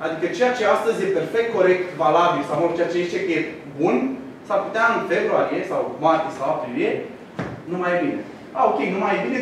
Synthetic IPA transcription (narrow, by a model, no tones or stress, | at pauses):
ad̪ikət͡ʃejat͡ʃe̞ast̪əzje̞pe̞rfek̚t̪̚ko̞ɾe̞k̚t̪valabilsawolt͡ʃeat͡ʃejezit͡ʃekəje | bun | saput̪eaɨnfebɾuaɾijesawmart̪ʲjesawapɾivie | numajebine | aokʲejnumajbine